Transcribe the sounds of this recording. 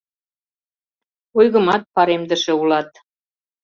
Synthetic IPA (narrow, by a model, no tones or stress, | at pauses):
ujɣə̆mɑt̪̚pɑɾemd̪ə̆ʃĕulɑt̪